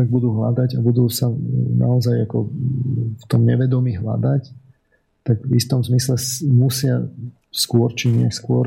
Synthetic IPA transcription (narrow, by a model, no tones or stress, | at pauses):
aɡ̚bud̪uːɦlad̪aɟabud̪uːsana̰ɔzajakɔ | ft̪ɔmɲɛʋɛd̪ɔmiːɦla̰d̪ac | t̪aɡvist̪ɔmzmislɛmusɪa | skʊɔɾt͡ʃiɲɪɛskʊɔɾ